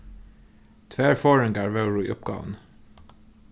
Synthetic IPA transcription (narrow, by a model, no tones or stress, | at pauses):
t̪ʰʋeːɹfoːɹɪŋɡæːɹʋəʊɹʊḭʔʊpɡɑ̰ːʋən̩